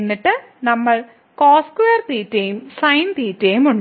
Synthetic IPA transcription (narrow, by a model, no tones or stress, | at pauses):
nːiʈːɨ | nɐmːɐɭ | koːskʋeːrt̪iːtːejumsɐjnt̪iːtːeːjumuɳ